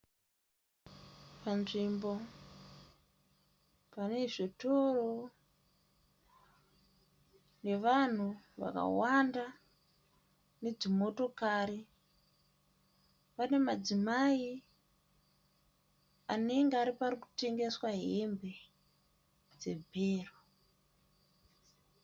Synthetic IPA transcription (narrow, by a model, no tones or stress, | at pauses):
panʐimbo̞ | pane̞ʐito̞ro | ne̞ʋan̤uʋa̰ka̰wanda | ne̞d͡zimo̞to̞kaɾi | pane̞mad͡zimai | ane̞ŋɡeaɾipariku̥te̞ŋɡe̞swaɦembe̞ | d͡ze̞bʱeːro